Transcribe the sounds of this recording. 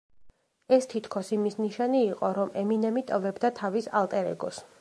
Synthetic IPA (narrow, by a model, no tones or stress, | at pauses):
ɛst̪ʰit̪ʰkʰɔsimisniʃaniːqʼɔɾɔmɛminɛmit̪ʼɔvɛbd̪at̪ʰavisalˠt̪ʼɛɾɛ̰ɡɔs